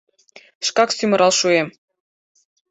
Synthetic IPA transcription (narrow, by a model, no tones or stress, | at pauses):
ʃkɑksymə̆ɾʔɑlʃuem